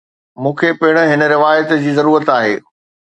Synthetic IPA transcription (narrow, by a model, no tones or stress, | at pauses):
mũːkʰepɪɦɪɽ̃ə̆ɦɪnəɾɪʋaːjət̪d͡ʑiːzɐɾuːɾət̪aːɦeː